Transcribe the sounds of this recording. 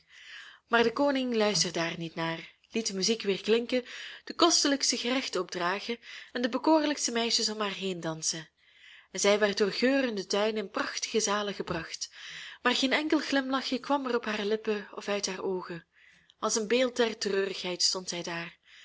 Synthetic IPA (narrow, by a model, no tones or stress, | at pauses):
maːrdəkoːnɪŋlœɥstərdaːrnitnaːr | lit̚dəmyzikʋɪːrklɪŋkəd̥əkɔstələkstəɣərɛxtəɔb̚draːɣəɛndəbəkoːrləkstəmɛjʃəsɔmɦaːrɦejndɑnsən | ɛnzɛjʋɛrt̚dʊːrɣøːrəndətœɥnɪnprɑxtə̥ɣəzaːləɣəbrɑxtmaːrɣeːnɛŋkəlˠɣlɪmlɑxjəkʋɑmɛrɔpɦaːrlɪpəɔfœɥtɦaːrʔoːɣən | ɑlˠsənbeːlˠt̚dɛrtərøːrəxɦɛjtstɔntzɛjdaːr